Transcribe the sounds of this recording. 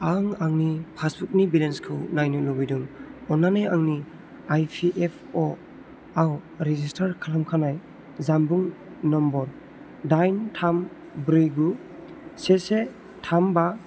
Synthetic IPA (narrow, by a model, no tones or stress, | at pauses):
aŋaŋnipʰasbuk̚nibilenskʰɯwnajnulubiduŋɔnːanajaŋni | ajpʰiʔepʰɔ | awɾezistʰaɾkʰalamkʰanaj | zambuŋ | nɔmbɔɾ | dajntʰam | bɾijɡu | sese | tʰamba